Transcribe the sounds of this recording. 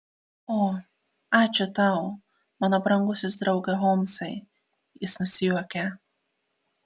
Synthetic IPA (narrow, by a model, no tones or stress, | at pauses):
oː | ɑːt͡ʃʲʊt̪ɑˑʊ | mɑːnobɾɐŋɡʊsʲʊs̬d̪ɾɒʊɡɐɦoːmsɐɪ | jɪsnʊsʲɪjuɔkʲɛ